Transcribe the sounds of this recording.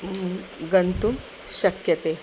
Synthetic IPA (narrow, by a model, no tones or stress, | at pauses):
ɡənt̪um | ɕɐkjɐt̪e